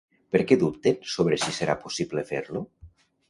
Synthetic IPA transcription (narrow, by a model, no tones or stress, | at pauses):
peɾkɛðupt̪ensoβɾesiseɾa̰posiβlefeɾlo